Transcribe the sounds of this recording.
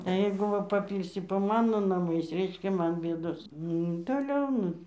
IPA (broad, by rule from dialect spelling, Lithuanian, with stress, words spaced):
ˈjɛɪɡʊ ˈʋɐ pɐˈpʲiːlʲsʲɪ poː ˈmɑːnoː nɐˈmɐɪs ˈrʲɛɪʃʲkʲɛ ˈmɐn ˈbʲeːdoːs ˈnʊ toːˈlʲɛʊ ˈnʊ